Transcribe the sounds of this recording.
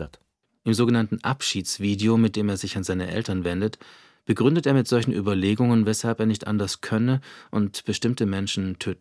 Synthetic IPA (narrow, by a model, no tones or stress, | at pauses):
t | ʔɪmzoːɡənantn̩ʔa̰pʃiːt͡sv̥iːdeomɪt̚d̥eːmeːɐzɪçanzaɪnəʔɛ̰ltɐnvɛndət | b̥əɡʁʏndəteːɐmɪtz̥ɔlçn̩ʔy̰ːbɐleːɡʊŋənvɛshalpeːɐnɪçtʔa̰ndɐskʰœnəʔʊntb̥əʃtɪmtəmɛnʃn̩tʰøːtn̩